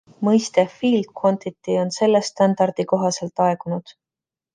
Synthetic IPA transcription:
mɤjst̪efiːlko̞nt̪it̪ːio̞nse̞lːest̪ɑnd̪̥ɑrd̪̥iko̞ɦɑse̞lt̪ːˑɑe̞ɡunud̪̥

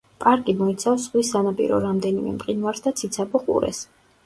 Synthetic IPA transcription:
pʼaɾkʼimɔit̪sʰafs̬ːʁwisːanapʼḭɾɔ̰ɾamd̪ɛnimɛ̰mqʼinvaɾsd̪at̪sʰit̪sʰapɔqʼṵɾɛ̰s

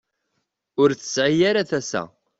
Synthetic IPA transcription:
ʊɾθə̥sʕijaɾaθæsæ̰

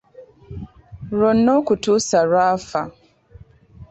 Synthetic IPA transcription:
ɾɔnːokutusaɾafa

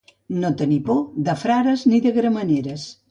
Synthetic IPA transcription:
not̪ənipoðəfɾaɾɐzniðəɣɾəmɐneɾɐs

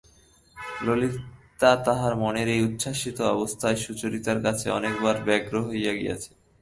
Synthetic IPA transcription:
lolit̪at̪aɦaɾmoneɾejut̪ːʃʰaʃit̪oɔbost̪ʰaeʃut͡ɕoɾit̪aɾkat͡ɕʰeɔ̰nekbaɾbɛɡɾoɦojaɡḭja̰t͡ɕʰe̥

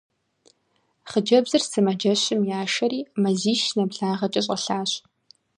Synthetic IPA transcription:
χəd͡ʒɐbzɨrsɨmɐd͡ʒɐɕɪmjaːʃɐɾiːmɐziːʃnɐbɮaːʁɐt͡ʃʼɐɕ̬ʼɐɬaːɕ

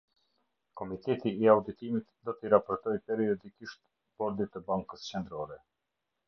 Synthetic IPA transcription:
kɔmit̪ɛt̪iːawd̪it̪imit̪d̪ɔt̪əiɾapɔɾt̪ɔjpɛɾiɔd̪ikiʃt̪ | bɔɾd̪it̪əbaŋkəst͡ʃɛnd̪ɾɔɾɛ

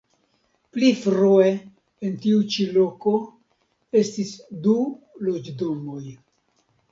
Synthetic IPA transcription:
plifɾue̞ | entiut͡ʃilo̞ko̞ | e̞stisdu | lo̞d͡ʒdo̞mo̞j

